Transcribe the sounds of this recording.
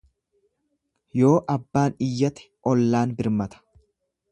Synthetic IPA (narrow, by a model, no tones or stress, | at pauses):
jo̞ːʔɐbːaːnɪjːɐt̪ɪ̥ʔɔlːaːnbɪɾmɐt̪ɐ̥